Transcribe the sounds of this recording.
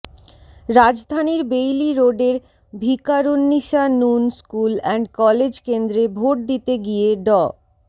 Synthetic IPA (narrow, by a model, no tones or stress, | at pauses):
ɾad͡ʑd̪ʱaniɾbejliɾoɖeɾ | bʱikaɾonːiʃanunskulɛɳɖkɔled͡ʑkend̪ɾebʱoʈ̚d̪it̪eɡieɖɔ